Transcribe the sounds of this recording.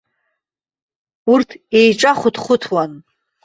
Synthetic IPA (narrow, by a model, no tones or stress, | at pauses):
urtʰejʈ͡ʂʼaχʷʊtχʷʊtʰwan